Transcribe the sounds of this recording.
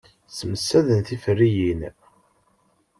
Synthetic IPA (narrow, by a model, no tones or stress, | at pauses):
səməsːæðənθifərːijin